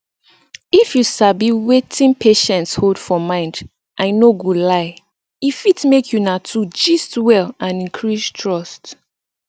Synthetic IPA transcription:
ifjusabiwetʰĩnpʰeʃɛ̃ntsholdfɔmãɪ̃nd | ʔãɪnoɡolaɪ | ifitmekʰjunatʰud͡ʒistwɛlãnĩnkʰɹistʰɹɔst

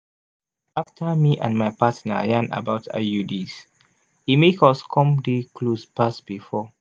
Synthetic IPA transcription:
aftʰəmiʔã̰nmajpatna̰jãna̰baʊtʰa̰judis | himekɔskʰɔ̃mdikʰlospasb̥ifɔ

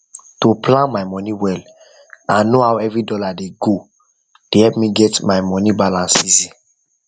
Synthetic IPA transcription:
topʰlãnmaɪmɔniwɛl | ãnnohawɛvɹidɔladeɡo | d̥ehɛlpmiɡɛtmaɪmɔnibalãnsizi

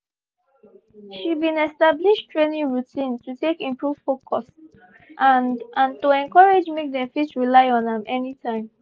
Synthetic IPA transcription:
ʃibĩnɛstabliʃtɹenĩŋɹutʰĩntutekĩmpɹuv̥fokʰɔs | ʔanãntuɛ̃nkɔɹed͡ʒmek̚dɛ̃mfitsɹilaɪɔ̃nə̃mɛnitʰãɪ̃m

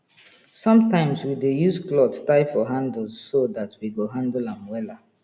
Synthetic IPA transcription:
sʌ̃mtãɪ̃mswidejuzklɔttaɪfɔɦãndl̩zsoðatʰwiɡoɦãndəlãmwɛla

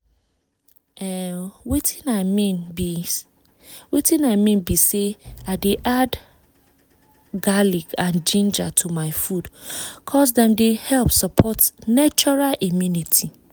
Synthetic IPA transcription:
ɛwitinamĩnbi | witĩnaɪmĩnbiseaɪdeʔad | ɡalikãnd͡ʒĩnd͡ʒatʰumaɪfudkʰɔsdɛ̃mdehɛlpsɔpʰɔtnat͡ʃɔɹalimjunitʰi

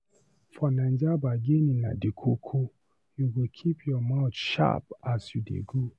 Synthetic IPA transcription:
fɔnand͡ʒabaɡenina̰dikʰokʰo | juɡokʰipʰjɔmaʊt͡ʃʃa̰pasjudḛɡu

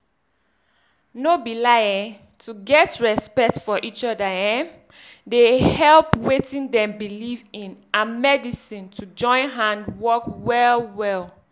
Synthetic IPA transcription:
nobilajɛ̃ | tʰuɡɛtɹɛspɛk̚tfɔʔit͡ʃɔdaɛ̃m | dehɛlpwetĩndɛ̃mbilivĩnamɛdisĩntʰud͡ʒɔ̃ɪ̃nɦãndwɔkwɛlwɛl

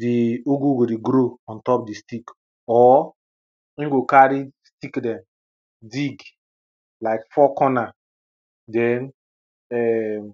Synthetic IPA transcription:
dioɡuɡodeɡɾoɔ̃ntɔpdistik | ɔ | ĩnɡokaɾistikdɛ̃m | diɡ | laɪkfɔkɔna | dɛn | ɛm

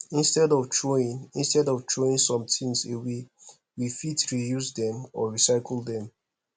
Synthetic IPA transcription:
ĩnstɛdɔvtʰɹoĩnĩnstɛdɔvtʰɹoĩnsɔ̃mtʰĩŋsewe | wifitɹijusdɛ̃mɔɹisaɪkʰl̩ˠdɛ̃m

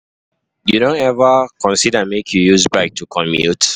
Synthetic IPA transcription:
judõntɛvəkɔ̃nsidəmekʰjujuzbak̚tʰukʰɔ̃mḭt

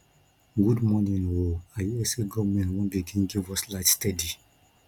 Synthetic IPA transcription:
ɡudmɔnĩnoajuɛseɡɔvmɛ̃nwɔ̃nbiɡĩnɡivɔslaɪtstɛdi

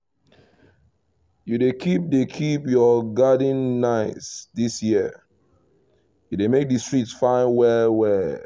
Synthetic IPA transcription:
judekʰip̚dekʰipjɔɡadĩnːaɪsdisjiə | judemek̚distɹitsfãɪ̃nwɛlwɛl

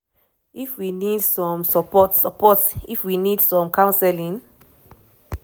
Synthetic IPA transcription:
ifwinidsɔ̃msəpɔtsəpɔtsifwinidsɔ̃mkʰãʊ̃nsɛlĩŋ

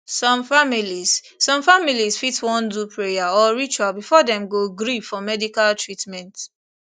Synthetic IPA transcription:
sɔ̃mfamilis | sɔ̃mfamilisfitwɔ̃ndupʰɹejaɔɹit͡ʃalbifɔdɛ̃mɡoɡɹifɔmɛdikaltʰɹitmɛ̃nt

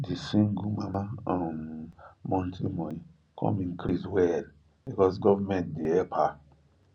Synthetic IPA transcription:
disĩŋɡumamaammɔ̃ntʰimɔji | kʰɔ̰̃mĩŋkɾiswɛl | bikɔs̬ɡɔvamɛ̃ntdeɛpʰa

